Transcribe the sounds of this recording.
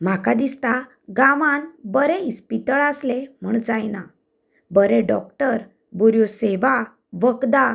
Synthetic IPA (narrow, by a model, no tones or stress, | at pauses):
m̤akad̪ist̪a | ɡaʋanbəɾɛispit̪əɭaslem̤uɳd͡zajna | bəɾeɖɔk̚ʈəɾ | buɾjoseʋa | ʋəkd̪a